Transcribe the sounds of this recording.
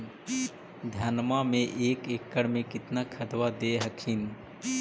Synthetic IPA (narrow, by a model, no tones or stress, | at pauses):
d̪ʱənmamẽʔeːkeːkːəɽmẽkɪt̪nakʰɐd̪wad̪eɦəkʰɪn